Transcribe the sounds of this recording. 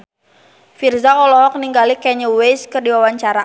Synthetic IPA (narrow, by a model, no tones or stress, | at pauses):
firzakɔlɔɦɔk̚niŋɡalikɛɲəwejskɨrdiwawaɲt͡ʃaɾa